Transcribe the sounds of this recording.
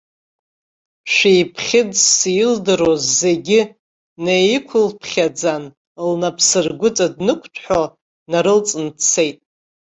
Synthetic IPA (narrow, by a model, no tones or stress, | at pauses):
ʃʷᶣejpʰχʲɪdsijɪldɨɾozːeɡʲɪ | nejɪkʷʰʊlpʰχʲad͡zan | lnapʰsɨrɡʷʊt͡sʼadnɨkʷʼʰtʰħo | naɾɨlt͡sʼɨnpʰt͡sʰe̞jtʼ